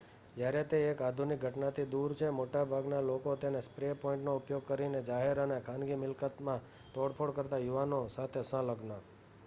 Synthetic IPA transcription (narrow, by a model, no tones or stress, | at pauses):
d͡ʒjaɾet̪eːkad̪ʱunɪk̚ɡʱəʈnat̪ʰid̪uɾt͡ʃʰemoʈabʱaɡnalokot̪enespɾepɔɪ̃ɳʈnoʊpjoɡ̚kəɾined͡ʒaɦeɾənekʰãnɡimɪlkət̪mã | t̪oɽpʰoɽkəɾt̪ajuʋanosat̪ʰesə̃ləɡna